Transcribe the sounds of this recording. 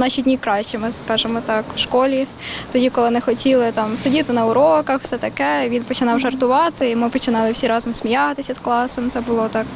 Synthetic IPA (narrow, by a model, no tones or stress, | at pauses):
nɑʃidʲnʲikɾɑʃʲt͡ʃɛmɪskɑʒemɔt̪ɑkwʃkɔlʲit̪ɔdʲikɔlˠɪnɛxɔtʲilˠɪt̪ɑmsʊdʲit̪ɪnɐʊɾɔkɐxwsɛt̪ɐkɛʋʲinpɔt͡ʃɪnɑwʒɐrt̪ʊʋɑt̪ɪimɪpɔt͡ʃɪnɑlˠɪwsʲiɾɑzɔmsʲmʲijɑt̪ɪsʲɐsklˠɑsɔmt̪sɛbʊlˠɔt̪ɑk